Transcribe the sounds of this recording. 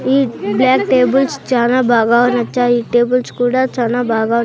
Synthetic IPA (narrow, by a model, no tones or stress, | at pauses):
iːblaːkʈeːbulst͡ʃaːnaːbʱaːɡaːʋɐnɐt͡ʃːaːiːʈeːbɐlskuːɽaːt͡ʃaːnaːbʱaːɡaː